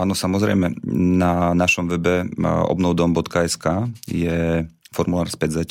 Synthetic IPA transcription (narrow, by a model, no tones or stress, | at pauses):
aːnɔsamɔzɾɛ̰jmɛnanaʃɔmʋɛbɛɔ̰bnɔʊd̪ɔmbɔt̪kaɛskaːjɛ | fɔɾmulaːɾspɛzac